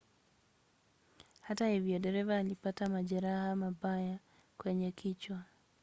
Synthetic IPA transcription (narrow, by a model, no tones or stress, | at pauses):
hatahivjiɔɗɛɾɛvaːlipatamaʄaɾahamabaja | kwɛɲɛkʰit͡ʃwa